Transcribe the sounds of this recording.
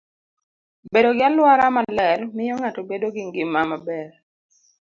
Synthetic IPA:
bedoɡɪalwaɾamalɛrmɪjoŋatobedoɡɪŋɡɪmːamabɛr

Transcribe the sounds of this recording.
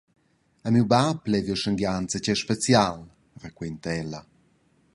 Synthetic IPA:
amiwbaplɛvjəʃəŋɡjant͡səcɛʃpet͡sjal | rəkwent̪ɛlːa

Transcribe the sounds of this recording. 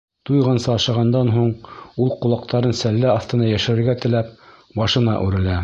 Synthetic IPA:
t̪ujʁɑnsɑːʃɑʁɑnd̪ɑnɦuɴulˠqŏlˠɑq̚t̪ʰɑɾɤnsælːæɑθt̪ɤ̆nɑjæʃɘ̆ɾɘ̆ɾɡæt̪ɘ̆læp | bɑʃɤ̆nɑ̰ʔʉ̰ɾɘ̆læ

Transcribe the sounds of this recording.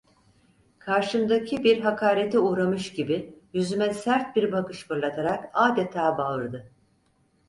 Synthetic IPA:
kʰaɾʃɯmd̪acʰibiɾɦakʰaːɾet̪ʰɛuːɾamɯʃɟibɪjyzymɛsæɾt̪̚biɾbakɯʃbɯɾlˠat̪ʰaɾakaːd̪et̪ʰaːbalɯɾd̪ɯ

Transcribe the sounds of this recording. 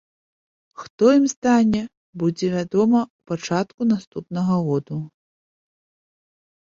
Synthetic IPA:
xt̪ɔimst̪anʲɛ | bud͡zʲɛvʲad̪ɔmɐwpat͡ʂat̪kunast̪upnɐɣɐɣɔd̪u

